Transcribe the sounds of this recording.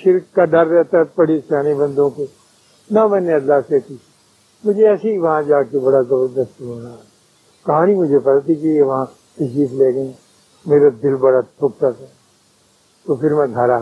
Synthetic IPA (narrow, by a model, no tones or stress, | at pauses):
ʃɪɾkːaɖɐɾːɛɦt̪aɦɛpɐɽ̤esaːnebɐ̃nd̪õko | namɛ̃ːneɐlːaːset̪ʰi | mʊd͡ʒʱeɛːseiʋɐɦãd͡ʒaːkebɐɽazɐbəɾd̪əst̪ɦoːnaːɛ | kɐɦãːnimʊd͡ʒʱepɐt̪at̪ikejeʋɐɦã | t̪ɐʃiːfleːɡə | meːɾad̪ɪlbɐɽatʰʊk̚t̪at̪ɛ | t̪opʰɪɾmɛ̃ɡʱɐɾa